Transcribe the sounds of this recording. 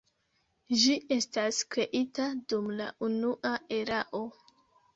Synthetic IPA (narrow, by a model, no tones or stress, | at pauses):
d͡ʒiʔe̞staskɾe̞ʔitadumla̰ʔunuʔae̞ɾaʔo̞